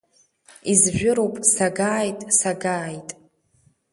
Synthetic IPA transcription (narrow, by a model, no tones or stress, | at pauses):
izʒʷᶣʊɾowpʼsaɡaːjtʼsaɡaːjtʼ